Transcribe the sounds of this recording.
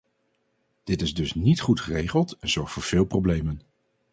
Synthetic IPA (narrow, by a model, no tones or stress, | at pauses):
d̥ɪtɪzdɵsnitχutχərejχəlˠtɛnz̥ɔɹχtfoːɹv̥ɪːlˠprowblejmən